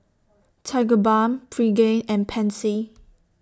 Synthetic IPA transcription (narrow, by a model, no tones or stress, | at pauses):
tʰaɡəbãmpʰɹiɡẽnɛ̃npʰɛ̃nsi